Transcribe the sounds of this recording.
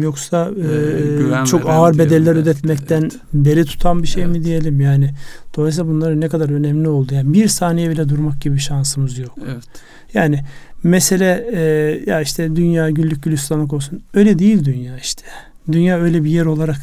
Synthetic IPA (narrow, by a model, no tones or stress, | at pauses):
jo̞ksa | t͡ʃʰo̞kaɯɾbe̞d̪ɛlʲːæɾød̪ɛt̪ʰmɛc̚t̪ʰæn | be̞ɾit̪ʰu̥t̪ʰanbiʃe̞jmid̪ije̞lʲimjaːnɪd̪̥o̞lˠas̬ilabunlˠaɾɯnɛkad̪aɾø̞nɛmlʲio̞lˠd̪ujaːnbiɾsaːnijɛbilʲɛd̪uɾmak̚ɟibiʃansɯmɯzjok | jaːnɪmɛse̞lʲɛjaiʃt̪ʰɛd̪ynjaːɟyllːʲyc̚ɟylʲyst̪anːˠɯk̬o̞lˠsunø̞jlʲɛd̪ejilʲd̪ynjaːiʃt̪ʰɛ̥ | d̪ynjaːø̞jlʲɛbijɛɾo̞lˠaɾak